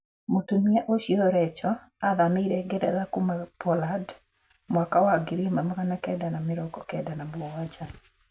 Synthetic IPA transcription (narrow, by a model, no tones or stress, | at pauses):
mutumɛʔoʃjɔɾɛt͡ʃɔ | aðamɪɾɛɡɛdɛ̰ðakumapɔlad | mwakawaɡɪɾimamaɾanakɛdanamɪɾɔkɔkɛdanabɔwat͡ʃa